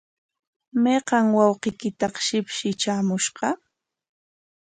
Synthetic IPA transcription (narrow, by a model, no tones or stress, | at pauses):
meqɑŋwɑwqɪjkɪt̪ɑqʃɪpʃɪt͡ʃaːmʊʃɢɑ